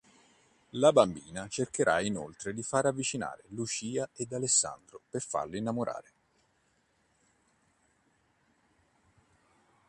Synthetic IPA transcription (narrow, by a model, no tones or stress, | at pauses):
labambiːnat͡ʃerkeɾʔa̰ino̰lt̪ɾed̪ifaɾavːit͡ʃina̰ːɾelut͡ʃiːaed̪alesːa̰nd̪ɾoperfa̰rlinːamoɾa̰ːɾe